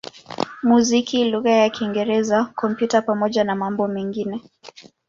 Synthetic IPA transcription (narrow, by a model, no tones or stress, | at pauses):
muzikiluɣajakiŋɡɛɾɛzakɔmpjutapamɔʄanamambɔmɛŋɡinɛ